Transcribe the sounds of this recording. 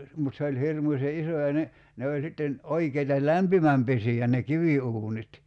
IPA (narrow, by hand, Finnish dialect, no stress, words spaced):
mut se olʲ hirmusʲe ʔiso jɑ ne ne olʲ sitːen oikeitɑ læmpimæmpesiæ ne kiʋiuːnit